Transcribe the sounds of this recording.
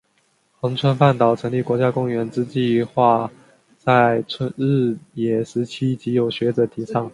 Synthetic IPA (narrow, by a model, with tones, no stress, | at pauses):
xɤ˧˥ŋt͡sʰwə˥npa˥˩nt̪ɑ˨˩ʊʈ͡ʂʰɤ˧˥ŋli˥˩kwɔ˧˥t͡ɕja˥kʊ˥ŋɥɛ˧˥nʈ͡ʂɻ̩˥t͡ɕi˥˧xwa˥˧ | t͡sa˥˩ɪt͡sʰwə˥nɻ̩˥˩jɛ˨˩ʂɻ̩˧˥t͡ɕʰi˥t͡ɕi˧˥jo˨˩ʊɕɥɛ˧˥ʈ͡ʂɤ˨˩t̪ʰi˧˥t͡sʰɑ˥˦ŋ